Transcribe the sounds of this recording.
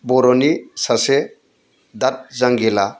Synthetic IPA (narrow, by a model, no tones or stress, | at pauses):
bɔɾɔnisase | d̪at̪̚zaŋɡela